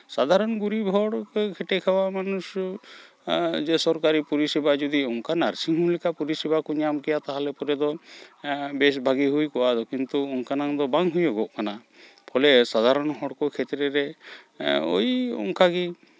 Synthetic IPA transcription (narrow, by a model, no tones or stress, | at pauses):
sad̪ʱaɾɔnɡuɾibʱɔɽkkʰɛʈɛkʰɛbamanus | d͡ʒɛsɔɾkaɾipuɾisɛbad͡ʒud̪iɔŋkanaɾsiŋɦũlɛkapuɾisɛbakɔɲamkɛjat̪aɦalɛpɔɾɛd̪ɔ | bɛsbʱaɡiɦujkɔʔad̪ɔkint̪uɔŋkanaŋd̪ɔbaŋɦujɔɡɔʔkana | pʰɔlɛsad̪ʱaɾɔnɦɔɽkɔkʰɛt̪ɾɛɾɛ | o̰jɔ̰ŋkaɡi